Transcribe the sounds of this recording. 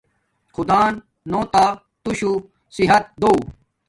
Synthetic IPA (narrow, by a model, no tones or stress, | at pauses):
xud̪aːnː | oːt̪aː | t̪uɕu | siɦɐt̪̚d̪ou